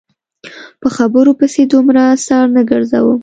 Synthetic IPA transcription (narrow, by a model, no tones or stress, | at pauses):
pəxabəɾopəsed̪umɾasɑɾnəɡəɾza̰wə